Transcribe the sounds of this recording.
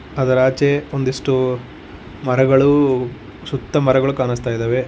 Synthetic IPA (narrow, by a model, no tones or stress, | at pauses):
ɐd̪ɐɾaːt͡ʃeond̪iʂʈu | mɐɾɐɡɐɭu | sut̪ːɐmɐɾɐɡɐɭukaːnɐst̪aːjid̪eːʋe